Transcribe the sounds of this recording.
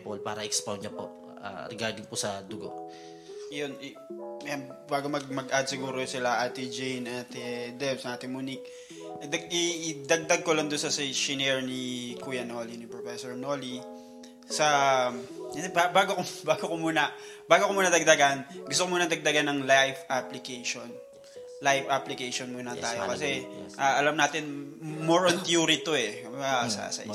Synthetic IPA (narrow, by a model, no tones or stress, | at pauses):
polpa̰ːɾɐɛkspawnɲɐpo | a̰ɾɛɡaɾd̪ɪŋposɐd̪ʊɡo̰ | jon | janbaːɡomɐɡ̚mɐɡʔad̪̚sɪɡuːɾosɪlaʔɐt̪id͡ʒejnat̪ɛd̪ɛbsɐʔaːt̪ɪŋmunik | d̪ɐɡɪd̪ɐɡ̚d̪aɡ̚kolɐŋd̪onsɐsɛʃɪnɛɹnikujɐnolinipɹofɛsoɹnoːli | sɐ | jɐd̪ɛbabaːɡokbaːɡokomuːnɐbaːɡokomuːnɐd̪ɐɡ̚d̪ɐɡanɡʊst̪okomuːnɐd̪ɐɡ̚d̪ɐɡanɐŋlajfaplɪkɛjʃon | lajfʔaplɪkɛjʃonmuːnɐt̪aːjokɐsɛʔaːʔɐlɐmnaːt̪ɪnmoɹɐnt̪juːɾit̪oɛksɐ̰sɐ̰ʔ